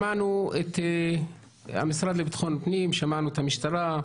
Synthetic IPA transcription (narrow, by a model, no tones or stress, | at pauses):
aʕnuet̪ | a̰misɾad̪lebit̪χonpnimʃamaʕnuet̪hamiʃt̪aɾa